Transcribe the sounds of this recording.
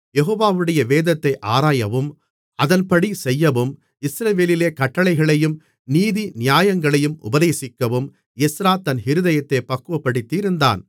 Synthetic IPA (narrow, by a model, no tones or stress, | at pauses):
jɛɦoːʋaːʋɯɽɐjɐʋeːðɐt̪ːɐɪʔaːɾaːjɐʋɯm | ɐðɐnpɐɽisɛjːɐʋɯm | ɪsɾɐʋeːlɪleːkɐʈːɐɭɐɪɣɐɭɐjɯm | niːðinɪjaːjɐŋɡɐɭɐjɯmʔʊ̰bɐðeːsɪkːɐʋɯm | ɛsɾaːt̪ːɐnhɪɾɯðɐjɐt̪ːepːɐkːɯʋɐpːɐɽɪt̪ːiɾɯnd̪a̰ːn